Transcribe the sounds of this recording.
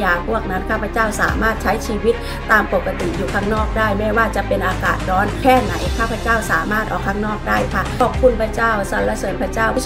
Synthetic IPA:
jaː˨˩k̚bu˥˩ək̚na˦˥nkʰaː˥˩pʰa˧˥t͡ɕaː˥˩wsa̰ː˩˦maː˥˩t̪̚t͡ɕʰa˦˥jt͡ɕʰiː˧wi˦˥t̪̚ːaː˧mpo˨˩t̚kːa˧t̪i˨˩juː˨˩kʰaː˥˩ŋnɔː˥˩k̚daː˥˩jmɛː˥˩waː˥˩t͡ɕa˨˩pe˧nʔaː˧kaː˨˩t̪̚ɾɔː˦˥nkʰɛː˥˩na˨˩˦jkʰaː˥˩pʰa˧˥t͡ɕaː˥˩wsaː˩˦maː˥˩t̪ʔɔː˨˩kʰːaː˧˥˩ŋnɔː˥˩k̚daː˥˩jkʰa˧˥˩ɔː˨˩p̚kʰu˧˥˩npʰɾa˧˥˩t͡ɕaː˥˩wsa˨˦nla˧˥sɤː˨˦npʰɾa˧˥˩t͡ɕaː˥˩w

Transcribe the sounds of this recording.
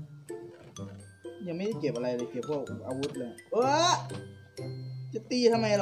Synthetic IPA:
ja˨˩ŋma˥˩da˥˩jke˨˩p̚ʔa˧ɾa˧jlɤː˧jkʰiː˧˩p̚ʰɔ˥˩kʔaː˧wu˦˥t̪̚lɤː˧jʔɤː˧˦˥ | t͡ɕa˨˩t̪iː˧t̪ʰa˧mːa˧jl

